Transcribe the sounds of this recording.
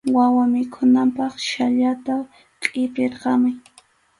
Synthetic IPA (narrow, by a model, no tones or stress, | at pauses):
wawamɪkʰʊnampɑχʃaʎat̪a | qʼɪpɪɾqɑmʊj